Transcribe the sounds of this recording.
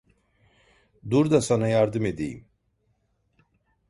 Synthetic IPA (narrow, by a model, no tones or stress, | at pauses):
d̪uɾd̪asanajaɾd̪ɨmed̪ḭ